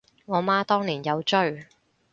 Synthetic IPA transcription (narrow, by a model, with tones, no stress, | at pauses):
ŋɔː˨˧maː˥t̪ɔː˥ŋliː˨˩njɐ˨˧wt͡ʃɵ˥ɥ